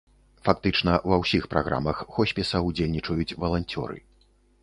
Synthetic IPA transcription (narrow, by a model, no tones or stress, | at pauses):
fak̚t̪ɨt͡ʂnɐvɐwsʲixpɾa̰ɣɾʔa̰mɐxːɔsʲpʲɛsɐud͡zʲelʲnʲit͡ʂɐjut͡sʲvɐlˠanʲt͡sʲɔ̰ɾɨ̰